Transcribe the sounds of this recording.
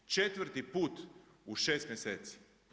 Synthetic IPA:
t͡ʃet̪ʋɾt̪ipuːt̪ | uʃeːst̪mjeseːt̪si̥

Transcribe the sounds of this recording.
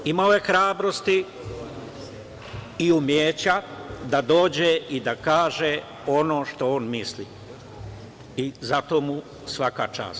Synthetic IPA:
imaoje̞xɾaːbɾost̪i | iumjeːt͡ɕad̪ad̪o̞ːd͡ʑeʔid̪akaːʒe | o̞no̞ːʃt̪ooːnmislḭ | izat̪o̞ːmu | sʋaka̰t͡ʃa̰ːst̪

